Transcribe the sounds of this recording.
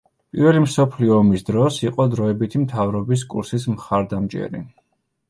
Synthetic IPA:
pʼiɾvɛlimsɔpʰliɔːmisd̪ɾɔsiqʼɔd̪ɾɔɛbit̪ʰimt̪ʰavɾɔbis̬kʼṵɾsismχaɾd̪amt͡ʃʼɛ̰ɾḭ

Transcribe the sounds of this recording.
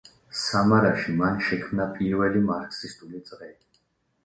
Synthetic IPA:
samaɾaʃimanʃɛkʰmnapʼiɾvɛlimaɾksist̪ʼulit̪sʼʁɛi

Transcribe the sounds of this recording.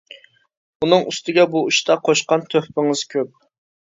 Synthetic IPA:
unɨŋyst̪ɪɡʲɛbuuʃt̪ʰɑqʰoʃqɑnt̪ʰøhpɪŋɨz̥kʲʰøp̚

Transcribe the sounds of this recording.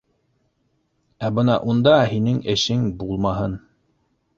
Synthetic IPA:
æbɤnɑʔund̪ɑhinɘŋɘ̆ʃɘŋbulˠmɑɦɤn

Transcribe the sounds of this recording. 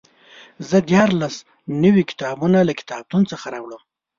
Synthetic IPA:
zəd̪jɑɾlas | nəwikɪ̥t̪ɑbunalakɪ̥t̪ɑb̚t̪unt͡səxaɾɑwɽəm

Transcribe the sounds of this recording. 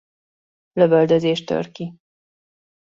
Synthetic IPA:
løbøld̪øzeːʃt̪ø̰rki

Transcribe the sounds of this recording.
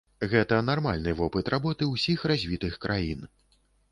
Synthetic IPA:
ɣɛt̪ɐnarma̰lʲnɨvɔpɨt̪rabɔt̪ɨwsʲixrazʲvʲit̪ɨxkɾʔajin

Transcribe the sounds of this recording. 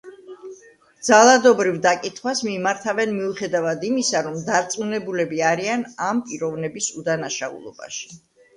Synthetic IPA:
d̪zalˠad̪ɔbɾivd̪akʼit̪ʰχwasmimaɾt̪ʰavɛnmiuχɛd̪avad̪imisaɾɔmd̪aɾt̪sʼmunɛbulɛbiaɾianampʼiɾɔvnɛbisud̪anaʃaṵlˠɔ̰ba̰ʃi̥

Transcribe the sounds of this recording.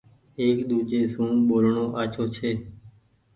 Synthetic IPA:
eːkɗ̪uːd͡ʒeːsũːɓoːlɳoːʔaːt͡ʃʰoːt͡ʃʰeː

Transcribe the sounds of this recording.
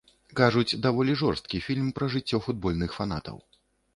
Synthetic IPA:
kaʐut͡sʲd̪avɔlʲiʐɔrst̪kʲifʲilʲmpɾɐʐɨt͡sʲːɔfud̪̚bɔlʲnɨxfan̪at̪ɐ̰w

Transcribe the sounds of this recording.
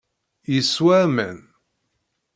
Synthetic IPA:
jəswæmən

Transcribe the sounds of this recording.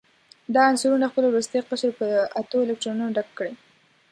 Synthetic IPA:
d̪ɑansuɾunaxpəlowɾust̪ajiqəʃɾpəat̪oɪlɪk̚ʈɾonunoɖakkːəɽe

